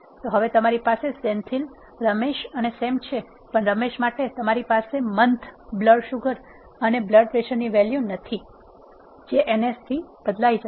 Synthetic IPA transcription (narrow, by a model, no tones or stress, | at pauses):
t̪oɦəʋet̪əmaɾipasesɛnt̪ʰil | ɾəmeʃənesemt͡ʃʰe | pəɳɾəmeʃmaʈet̪əmaɾipasemənt̪ʰbləɖʃuɡəɾ | ənebləɖʋeʃənːiʋɛljunət̪ʰi | d͡ʒeʔenesʈ̪ʰib̥əd̪laid͡ʒ